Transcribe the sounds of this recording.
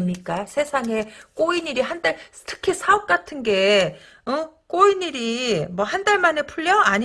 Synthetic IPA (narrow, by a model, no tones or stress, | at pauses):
mɲik͈asʰe̞sʰaŋe̞k͈oiɲiɾiɦandaɭ | tʰɯ̥kʰisʰaop̚k͈atʰɯnɡe̞ | ɯk͈oiɲiɾimwʌhandaɭmane̞pʰuɭːʌaɲ